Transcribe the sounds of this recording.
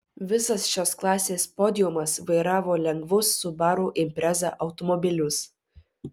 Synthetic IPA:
ʋʲɪsɐsʃʲoːsklˠɑːsʲeːspoːd̪ʲɪjʊmɐsʋɐɪɾɑːʋoːlʲɛŋɡʋʊsːʊbɑːɾuːʔɪmʲpʲɾʲɛzɑ̰ʔɐʊt̪ɔmɔbʲɪlʲʊs

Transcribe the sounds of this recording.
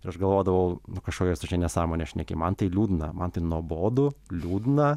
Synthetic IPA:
ɪɾɐʃɡɐlˠʋoːd̪ɐʋɐʊnʊkɐʃkoːkʲoːsʊʒʲɛnʲɛsɑːmoːnʲeʃʲnʲɛkʲɪ̰mɐnt̪ɐɪlʲuːd̪ʲnɐmɐnt̪ɐɪnuɔboːd̪ʊlʲuːd̪ʲnɐ

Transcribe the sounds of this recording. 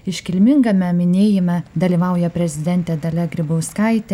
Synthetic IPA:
ɪʃʲkʲɪlʲmʲɪŋɡɐmʲɛmʲɪnʲeːjɪmɐd̪ɐlʲiːʋɐʊjɛpʲɾʲɛzʲɪd̪ʲɛnʲt̪ʲɛd̪ɐlʲɛɡɾʲɪboʊskɐɪt̪ʲɛ

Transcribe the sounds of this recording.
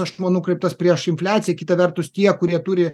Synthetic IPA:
ɐʃmɐnukɾʲɛɪp̚t̪ɐspʲɾʲiɛʃɪnʲfʲlʲæːt̪sʲɪjɛkʲɪt̪ɐʋʲɛrt̪ʊst̪ʲiɛkʊɾʲiɛt̪uːɾʲɪ

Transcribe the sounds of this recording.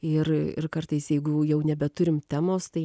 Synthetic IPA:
ɪrɪ̰rkɐrt̪ɐɪsjɛɪɡʊjɛʊnʲɛbʲɛt̪ʊɾʲɪmt̪ʲæːmoːst̪ɐɪ

